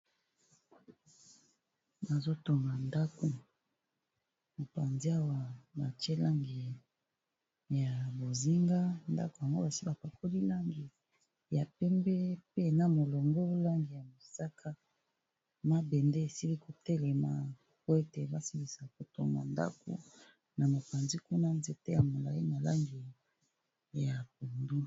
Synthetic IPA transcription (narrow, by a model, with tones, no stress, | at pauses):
ba˨zo˦to˨ŋɡa˨nda˦ko˨ | mo˨pa˨nzi˦a˦wa˨ba˨te˦la˦ŋɡi˨ | ja˨bo˨zi˦ŋɡa˦nda̰˦ko˨a˨ŋɡo̰˦ba˨si˦ba˨pa˨ko˦li˦la˦ŋɡi˨ | ja˨pɛ˦mbɛ˦pe˦na˨mo˨lɔ˨ŋɡɔ˦la˦ŋɡi˨ja˨mo˨sa˦kʰa˦ | ma˦bɛ˨nde˦e˨si˦li˦ko˨tɛ˦lɛ˨ma˨ | po˦e˦te˨ba˦si˦mbi˨sa˨ko˨to̰˨ŋɡa̰˨nda̰˦ko̰˨ | na˨mo˨pa˨nzi˦ku˦na˦nze˨te˦ja˨mo˨la˨i˦na˨la˦ŋɡi˨ | ja˨p̚o˨ndu˦